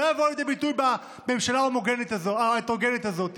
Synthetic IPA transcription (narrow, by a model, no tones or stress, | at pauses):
evoljed̪ebit̪ujba | bemʃalabamoɡenet̪azoat̪oɡenet̪azo̞t̪i